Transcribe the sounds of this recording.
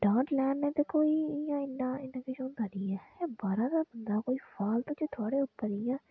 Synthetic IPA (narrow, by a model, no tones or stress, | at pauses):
ɖãːʈlɛːnɛːt̪eːkoːiːɪjãːɪnːãːɪnːãːkɪt͡ʃõnd̪aɖiːɛːɛːbaːɾaːd̪aːbənd̪aːkoːiːfʰaːlt̪õːt͡ʃet̪ʰʊaːɽeːʊpːəɾɪjãː